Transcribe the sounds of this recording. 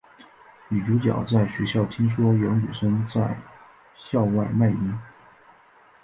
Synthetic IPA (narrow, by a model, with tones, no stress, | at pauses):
mi˨˩ʈ͡ʂu˧˥t͡ɕjɑ̰˨˩ʊt͡sa˥˩ɪɕɥɛ˧˥ɕjɑ˥˩ʊt̪ʰi˥ŋʂ̬wɔ˥jɑ˧˥ny˨˩ʂə˥nt͡sa˥˧ɪ | ɕjɑ˥˧ʊwa˥˧ɪma˥˩ɪi˧˥n